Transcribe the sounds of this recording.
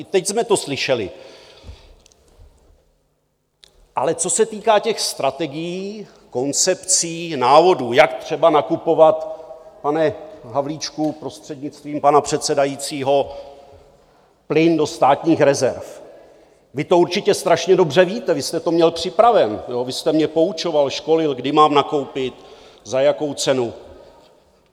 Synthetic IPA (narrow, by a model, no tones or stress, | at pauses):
t̪ɛcsmɛt̪o̞slɪʃɛlɪ̰ | ʔalɛt͡so̞sɛt̪iːkaːcɛxst̪ɾat̪ɛɡɪjiː | ko̞nt͡sɛpt͡siːnaːvo̞duːjakt̪r̝̥ɛbanakupo̞vat̪panɛɦavliːt͡ʃkupɾo̞st̪r̥ɛdɲɪt͡st̪viːmpanapr̝̥ɛt̪sɛdajiːt͡siːɦo̞ | plɪndo̞st̪aːt̪ɲiːxɾɛzɛɾf | vɪt̪o̞uɾt͡ʃɪcɛst̪ɾaʃɲɛdo̞br̝ɛviːt̪ɛvɪst̪ɛt̪o̞mɲɛlpr̝̥ɪpɾavɛnjoːvɪst̪ɛmɲɛpo̞ut͡ʃo̞valʃko̞lɪlɡdɪmaːmnako̞wpɪt̪ | zajako̞wt͡sɛnu